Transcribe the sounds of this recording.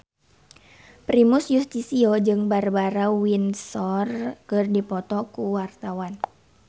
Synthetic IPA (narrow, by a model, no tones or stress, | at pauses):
pɾimusjust̪isiod͡ʒɨŋbarbaɾawinsɔrkɨrdipɔt̪ɔkuwart̪awan